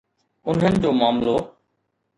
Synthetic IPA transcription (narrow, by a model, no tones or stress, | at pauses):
ʊn̤ənɪd͡ʑoːmaːmloː